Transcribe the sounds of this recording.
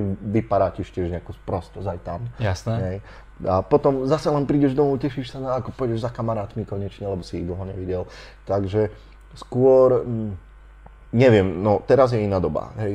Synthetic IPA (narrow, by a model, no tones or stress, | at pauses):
ʋipaɾaːcɛʃcɪɛʒɲɛakuːspɾɔst̪ɔzajt̪amjasnɦɛj | apɔt̪ɔmzasɛlɛnpɾiːɟɛʒd̪ɔmucɛʃiʃsanaːkɔpɔjɟɛʒzakamaɾaːt̪mikɔɲɛt͡ʃɲɛlɛbɔsiːɣd̪l̩ˠɦɔɲɛʋiɟɛl | t̪aɡʒɛ | skʊɔɾ | ɲɛʋɪɛmnɔt̪ɛɾazjɛinaːd̪ɔba̰ɦɛj